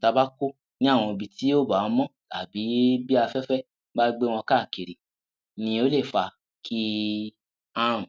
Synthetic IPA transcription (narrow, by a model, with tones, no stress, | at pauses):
ta˧ba˦ko˦ | nĩ˦ã˦˨ɔ̃˧bi˧ti˨˦o˦ba˨ɔ̃˧˦mɔ̃˦ta̰˨bi˨˦bi˦a˧fɛ˦fɛ˦ | ba˦ɡ͡be˦w̃ɔ̃˧ka˦˨ke˨ɾi˨ | nĩ˧o˦le˦˨fa˧ | kʰi˦ | ã˦ũ˨